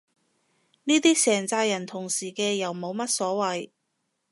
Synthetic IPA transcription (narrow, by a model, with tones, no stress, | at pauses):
niː˥t̪iː˥sɛː˨˩ŋt͡saː˧jɐ˨˩nt̪ʰʊ˨˩ŋsiː˨˩kɛː˧jɐ˨˩wmo˨˧wmɐ˥t̚sɔː˨˥wɐ˨j